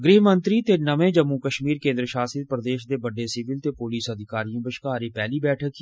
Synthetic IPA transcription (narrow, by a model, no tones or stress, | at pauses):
ɡɾiːɦmə̃nt̪ɾit̪enɐmẽd͡ʒəmːukəʃmiːɾkẽːnd̪ɾəʃaːsid̪pɾəd̪eːʃd̪ebəɖesɪʋɪlt̪epoliːsɐd̪ʱɪkaːɾijõbəʃkaːɾepɛːlibɛːʈʰəki